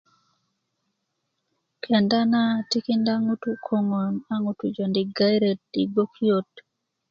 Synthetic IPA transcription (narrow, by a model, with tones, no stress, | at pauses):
kʰɛ˨nda˦na˦ti˦ki˦nda˦ŋu˦tu˨kʰo˦ŋo˨na˦ŋu˦tu˨d͡ʒo˨ndi˨ɡa˦jɾe˨t̚i˨bo˦kʰjo˦t